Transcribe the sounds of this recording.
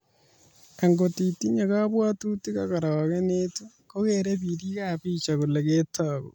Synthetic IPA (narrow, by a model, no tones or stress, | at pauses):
aŋɡotitiɲaɣaβwaːtutikaɣaɾaaɣenetu | koɣeɾeβiɾiɣaβit͡ʃaɣuleɣetaɣo̰